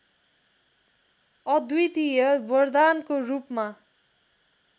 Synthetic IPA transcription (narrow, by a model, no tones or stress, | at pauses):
ʌd̪wuit̪ijʌbʌrd̪ankorupma